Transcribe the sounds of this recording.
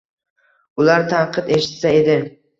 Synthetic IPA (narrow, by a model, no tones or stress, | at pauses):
ʊlˠaɾt̪ʰaɾqʰɨt̪e̞ʃɪ̥t̪saed̪ɪ